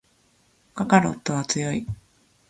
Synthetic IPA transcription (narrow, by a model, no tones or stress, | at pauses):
kakaɾo̞̰t̪ːo̞βat͡sɨjo̞i